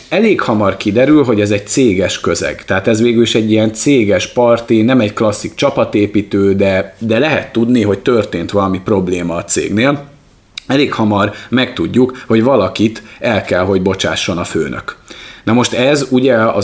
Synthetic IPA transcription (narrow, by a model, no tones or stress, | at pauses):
ɛleːkhɒmɒrkid̪ɛɾylɦo̞ɟɛzɛɟ̚t̪seːɡɛʃkø̞zɛ̰ɡt̪ɛɦaːt̪ɛzʋeːɡyliʃɛɟːiɛnt̪seːɡɛʃpɒrt̪inɛmɛɟklɒsːik̚t͡ʃɒpɒt̪eːpit̪øːd̪ɛd̪ɛlɛɦɛt̪ːud̪niɦo̞ct̪ørt̪eːnt̪ʋɒlɒmipro̞bleːmɒːt̪sḛːɡneːl | ɛleːkhɒmɒrmɛkt̪uɟːukho̞ɟʋɒlɒkit̪ɛlkɛlɦo̞ɟbo̞t͡ʃa̰ːʃːo̞nɒfø̰ːnʔø̰knɒmo̞ʃt̪ɛzuɟɛɒ̰